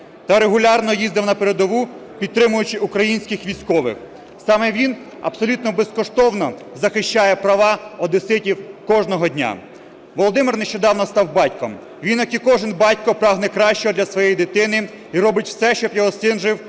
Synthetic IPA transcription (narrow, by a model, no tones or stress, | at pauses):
t̪ɐɾeɦʊlʲɑrnɔjizd̪ɪwnɐpeɾed̪ɔʋupʲid̪̚t̪ɾɪmʊjʊt͡ʃɪʔukɾɐjinʲsʲkɪxʋʲijsʲkɔʋɪ̰x | sɑmɛʋʲin | ɐ̰bsɔlʲut̪nɔbeskɔʃt̪ɔwnɔ | zɐxɪʃt͡ʃɑjɛpɾɐʋɑɔd̪ɪsɪtʲiwkɔʒnɔɦɔdʲnʲa̰ | ʋɔlˠɔd̪ɪmɪrneʃt͡ʃɔd̪ɑwnɔst̪ɑwbɑtʲkɔm | ʋʲinjɐkikɔʒɪnbɑtʲkɔpɾɑɦnɛkɾɑʃʲt͡ʃɔd̪lʲɐsʋɔjejd̪ɪt̪ɪnɪ | iɾɔbɪtʲw̥sɛʃt͡ʃɔbjɔɦɔsɪnʒɪw